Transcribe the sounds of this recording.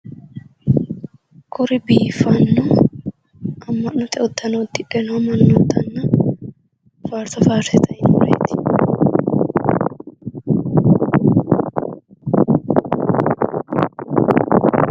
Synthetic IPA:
kʰʊɾɪbiːfɐnːɔ | ʔɐmːɐʔːɔt̪ɛɔd̪ɐnod̪ːɪᶑɛnɔmɐnːɔd̪ɐnːɐ | faːɾt̪ɐfaːɾt̪ɛt̪ɐɪnoːɾḛːt̪ɪ̥

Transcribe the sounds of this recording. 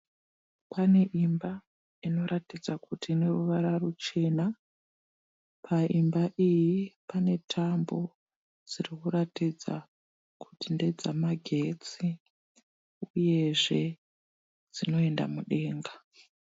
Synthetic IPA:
pane̞ʔimba | ino̞ɾʔatid͡zakutine̞ruʋaɾarut͡ʃe̞na | pʰaʔimbaʔijipane̞tʰambo̞ | d͡zirikuratid͡za̰ | kutinde̞d͡zamaɡʱe̞t͡si | uje̞ʐe̞ | d͡zino̞e̞nda̰muɗe̞ːŋɡa

